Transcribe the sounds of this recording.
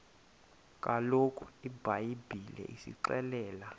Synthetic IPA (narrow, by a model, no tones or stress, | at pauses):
kʼalokʰʼu̥ibʱajibʱilɛ̰ʔisḭǃɛlɛːla